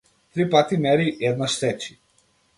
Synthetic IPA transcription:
t̪ɾipat̪imɛɾiʔɛd̪naʃt̪ɛt͡ʃi̥

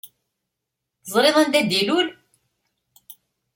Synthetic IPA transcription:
θəzˤɾeðˤænd̪æd̪ilul

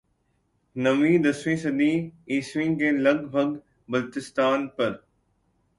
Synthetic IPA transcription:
nɐʋĩːd̪ɐsʋĩːsɐd̪ʱĩːiːsʋĩːkẽːlɐɡbʱɐɡ | bɐlt̪ɪst̪aːnpɐɾ

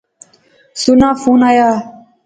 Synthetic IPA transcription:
sunafunaja

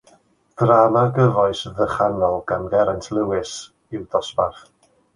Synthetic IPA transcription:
d̥raːmaɡəvɔɨsðəχanɔlˠɡanɡɛɾantʰlˠɪwɪs | ɪwdɔsbarθ

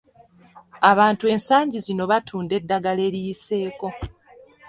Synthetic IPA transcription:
aβaːntue̞ːnsaːɲɟizino̞βatʰuːnde̞dːaɡale̞ɾijise̞ːko̞

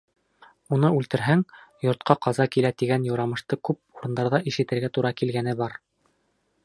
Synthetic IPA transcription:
unɤʉlt̪ɘ̆ɾɦæŋjŏɾt̪̚qʰɑqɑzɑkilæt̪iɡænjŏwɾɑmɤ̆ʃt̪ɤkʉp̚uɾɤ̆nd̪ɑɾðɑʔiʃɘ̆t̪ɘ̆ɾɡæt̪uɾɑkilɡænɘbɑɾ

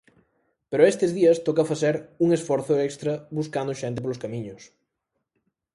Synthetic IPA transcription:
peɾʊest̪ezðiɐst̪ɔkafaθɛɾuŋesfɔɾθʊɛkst̪ɾɐβuskand̪ʊʃɛnt̪ɪp̬olʊskamĩɲʊs

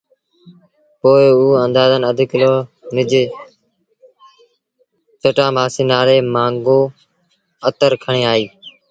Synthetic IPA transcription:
poːɪuːə̃nd̪aːzənəd̪ʱkɪloːnɪd͡ʒeː | t͡ʃəʈãːbʱaːsiːnaːleːmãːŋɡoː | ət̪əɾkʰəɳeːaːiː

